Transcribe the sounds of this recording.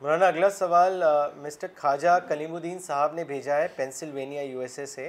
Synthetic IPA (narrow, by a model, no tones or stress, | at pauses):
mɾaːnaɐɡlasɐʋaːlmɪsʈəɾkʰaːd͡ʒakɐlĩːmud̪iːnsaɦəbnebʱeːd͡ʒaɦɛpɛ̃ːnsɪlʋeːnijajuːeːsese